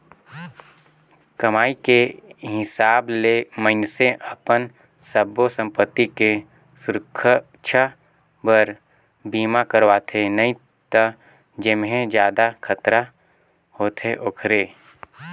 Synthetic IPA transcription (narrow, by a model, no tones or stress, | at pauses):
kɐmaːikeɦɪsaːbleməɪnseʔəpən | səbosə̃mpət̪ːike | sʊɾəkʰ | t͡ʃʰa | bəɾ | biːmakəɾwaːt̪ʰenɐɦĩ | t̪ə | d͡ʒɪmɦẽd͡ʒjaːd̪akʰət̪ɾa | hoːt̪ʰeʔokʰɾeː